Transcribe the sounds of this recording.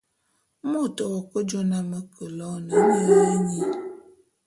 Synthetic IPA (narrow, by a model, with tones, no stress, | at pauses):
mɔ˦˨tɔ˨wɔ˨kə˦d͡ʒo˦na˦mə˦kə˨lɔ˦nə˨˦ɲə˦˨li˦ɲi˨